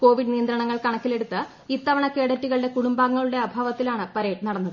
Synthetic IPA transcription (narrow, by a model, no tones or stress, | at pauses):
ko̞ːʋiɖnijɐnd̪ɾɐɳɐŋːɐɭkɐɳɐkːile̞ɽut̪ːɨ | it̪ːɐʋɐɳɐkːe̞ːɽɐtːuɣɐɭɨɽe̞kuɽumbaːŋːɐɭuɽe̞ɐbʱaːʋɐt̪ːilaːɳɨpɐɾeːʈnɐɽɐnːɐðɨ